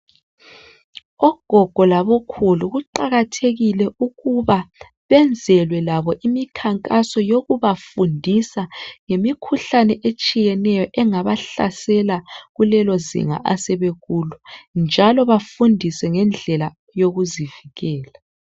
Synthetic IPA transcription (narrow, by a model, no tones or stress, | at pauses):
ɔɡ̥ʱɔɡ̥ʱɔlaβɔkʰuluɣuǃaɣatʰeɣilɛʔuɣuβa | βɛnd͡zʱɛlwɛlaβɔʔimikʰaŋkʼasɔjoɣuβafundʱisaŋemikʰuɬanɛʔet͡ʃʼijɛnɛjɔʔɛŋaβaɬa̰sɛlaɣulɛlozḭŋa̰ʔasɛβeɣulund͡ʒʱalɔβafundʱisɛŋɛnd͡ɮʱɛla | joɣuziviɣɛːla